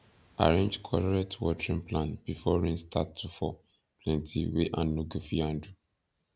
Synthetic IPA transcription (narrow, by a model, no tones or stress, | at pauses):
a̰ɹẽnd͡ʒkʰɔlɔɹɛtwɔtɹĩnplãnb̥ifɔɹĩnstʰatʰːufɔ | plɛ̃ntʰiweʔãnːoɡofiãndu